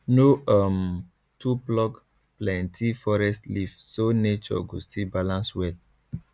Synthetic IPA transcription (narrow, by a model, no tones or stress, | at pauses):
noam | tuplɔk | plɛ̃ntʰifɔɹɛstlifsonet͡ʃɔ̰ɡustʰibalãnswɛl